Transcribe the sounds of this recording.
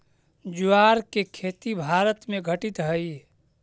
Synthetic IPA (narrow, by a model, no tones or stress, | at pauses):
d͡ʒuaɾkekʰet̪ibʱaɾət̪meɡʱəʈit̪ɦəi